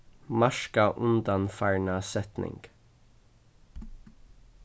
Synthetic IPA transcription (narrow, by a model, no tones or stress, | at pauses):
mɑʃkɑʔʉnd̪ɑnfæɹɳɑsɛt̪nʔɪ̰ŋɡ̥